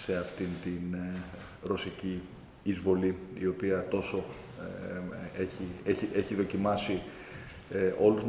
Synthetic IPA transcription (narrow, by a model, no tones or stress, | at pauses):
se̞ɐft̪int̪in | ɾo̞siciː | zvo̞liio̞piɐt̪o̞so̞ | eçieieçiðo̞cimɐsi | ʔo̞luz